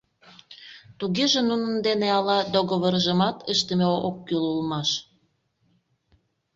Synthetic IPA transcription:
t̪uɣeʒenunənd̪eneɑlɑd̪oɣəβərʒə̆mɑt̪ʰəʃt̪əmeookːylulmɑʃ

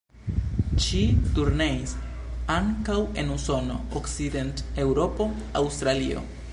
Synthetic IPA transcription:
ʃituɾne̞is | aŋkawe̞̰nuso̞no̞̰oksid̪ente̞wɾo̞po̞ | awst̪ɾalḭo̞̰

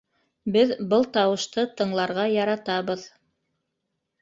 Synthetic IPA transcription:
bɘðbɤlˠt̪ɑwɤ̆ʃt̪ɤt̪ɤ̆ɴlˠɑɾʁɑjɑɾɑt̪ɑβɤð

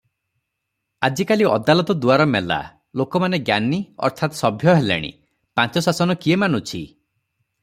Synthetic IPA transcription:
ad͡ʒikaliɔ̰d̪alɔt̪ɔd̪uaɾɔmela̰ | lokɔmaneɡjaniɔ̰ɾt̪ʰat̪sɔbʱjɔɦelḛɽ̃ḭ | pãt͡ʃɔsasɔnɔkiemanut͡ʃʰḭ

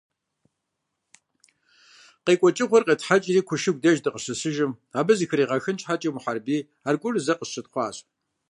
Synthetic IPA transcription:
qeːkʷʼɔt͡ʃʼɪʁʷɔrqeːtħat͡ʃʼiriːkʷʰʊʃɪɡ̚ʷdɐʒdɨqʼəɕɨsɨʒɪmaːbɐzixɨriːʁɐxɨnt͡ʃħat͡ʃʼimʊħarbiː | aːrkʷʼʊrzɐqəɕɨtχʷɑ̰ːɕʼ

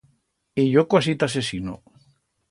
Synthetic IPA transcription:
ejokwasit̪asesino̰

